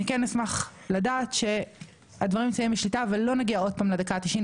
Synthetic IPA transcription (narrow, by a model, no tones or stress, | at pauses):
ikɛnːismaχ | ladaːt̪ʃe̞ | advɐʁimsajimbiʃlitavalːo̞naɡiao̞d̚paːmlad̪akaːt̪iʃin